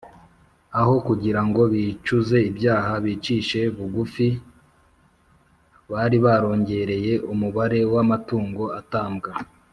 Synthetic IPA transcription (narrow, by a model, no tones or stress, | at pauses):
aɦo̞kuɟiɾaŋɡo̞βit͡ʃuze̞ibjaːɦaβiːt͡ʃiːʃe̞βuɡufi | βaɾiβaɾo̞ːɲɟe̞ɾe̞je̞ʔumuβaɾe̞wamatuːŋɡo̞ataːmbɡa